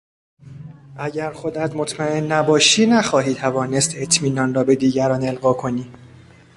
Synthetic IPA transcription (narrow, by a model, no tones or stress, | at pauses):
ʔæɟæɾxod̪æt̪mot̪ʰmæe̞nːæbɒːʃiːnæxɒːɦiːt̪ʰævɒːne̞st̪et̪ʰmiːnɒːnrɒːbe̞d̪iːɟæɾɒːne̞lɣɒːkʰo̞niː